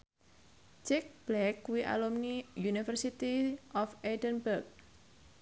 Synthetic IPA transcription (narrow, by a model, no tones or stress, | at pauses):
t͡ʃɪk̚b̥lɛkːuwiʔa̰lumnijunifərsit̪iʔɔfedənbərk̚